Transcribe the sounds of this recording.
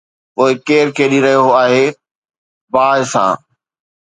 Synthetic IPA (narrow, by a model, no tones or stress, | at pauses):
poːɪkeːɾkʰeːɗiɾɐɦijoɦoaːɦeː | baːɪsã̰ː